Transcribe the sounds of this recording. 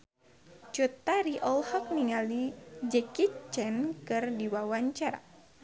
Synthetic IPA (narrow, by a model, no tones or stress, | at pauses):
t͡ʃut̪aɾiʔɔlhɔk̚niŋalid͡ʒɛkit͡ʃɛnkɨrdiwawaɲt͡ʃaɾa̰